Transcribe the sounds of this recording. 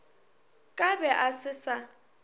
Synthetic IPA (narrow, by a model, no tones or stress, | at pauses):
kʼabɛʔasɪsa